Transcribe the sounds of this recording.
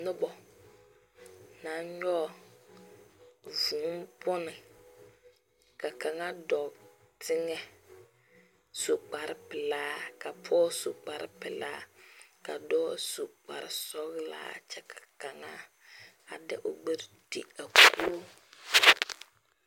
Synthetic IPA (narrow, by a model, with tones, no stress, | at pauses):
nʊ˦bɔ˨ | na˨˦ɲɔ˦˨ | vũ˨˦mpʊ˦nɪ˨ | ka˨ka˨ŋa˦dɔ˨ | tʰɪ˦ŋɛ˦ | so˨k͡pa˨ɾɪ˨pɪ˨laː˦ka˨pʰɔ˦so˨k͡pa˨ɾɪ̰˦pɪ˨la̰ː˦ka˨dɔː˦su˨k͡pa̰˨ɾɪ̰˨sɔ˦ɣla̰ː˦˨t͡ʃɛ˦kʰḁ˨ka˨ŋa˦ | a˨dɛ̰˦˨ʔo˨ɡ͡be˦ɾd̥i˦a˨ku˦